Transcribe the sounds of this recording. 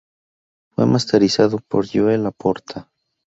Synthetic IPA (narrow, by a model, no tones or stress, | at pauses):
fwḛmast̪eɾisaðopo̰ɾjoelapoɾt̪ʰa